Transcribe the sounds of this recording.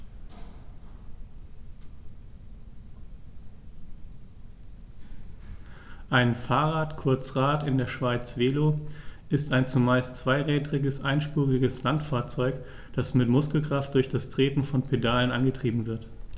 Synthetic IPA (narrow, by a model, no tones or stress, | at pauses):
ʔaɪnfaːɐʁaːtkʰʊɐt͡sʁ̥aːtɪndeːɐʃv̥aɪt͡sv̥eːloʔɪstaɪnt͡sumaɪstt͡sv̥aɪʁɛːdʁɪɡəsʔaɪnʃpuːʁɪɡəslantfaːɐt͡sɔʏk | d̥asmɪtmʊskl̩kʁ̥aft̚d̥ʊɐçd̥astʁ̥eːtn̩fɔnpʰedaːlənʔanɡətʁ̥iːbm̩vɪɐt